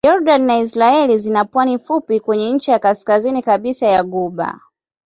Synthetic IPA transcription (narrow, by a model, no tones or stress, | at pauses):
jɔɾɗaninaisɾaɛlizinapwanifupikwɛɲɛɲ̩t͡ʃijakaskazinikaɓisajaɡuɓa̰